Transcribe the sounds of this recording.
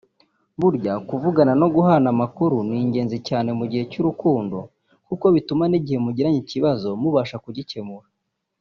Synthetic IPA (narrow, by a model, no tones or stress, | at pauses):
βuɾɟakuvuɡanano̞ɡuɦanamakuɾuniːɲɟe̞ːnzicaːne̞muɟihe̞cuɾukuːndo̞ | kuko̞βitumaniɟihe̞muɟiɾaɲiciβazo̞muβaʃakuɟice̞muɾa